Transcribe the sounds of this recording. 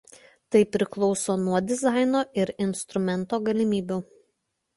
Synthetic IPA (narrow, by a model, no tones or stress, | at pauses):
t̪ɐɪpʲɾʲɪklˠɔʊsoːnuɔd̪ʲɪzɑˑɪnoːʔɪɾɪnst̪ɾʊmʲɛnˑt̪oːɡɐlʲɪmʲiːbʲuː